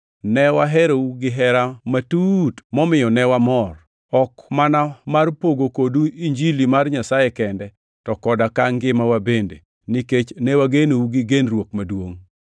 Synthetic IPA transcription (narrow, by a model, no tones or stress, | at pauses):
nɛwaɦɛɾouɡɪɦɛɾamatutmɔmɪjɔnɛwamɔr | ɔkmanamarpoɡokoduiɲd͡ʒilimarɲasajekɛndɛ | tɔkɔdakaŋɡɪmawabendḛ | niket͡ʃnɛwaɡenouɡɪɡenrwokmadwoŋ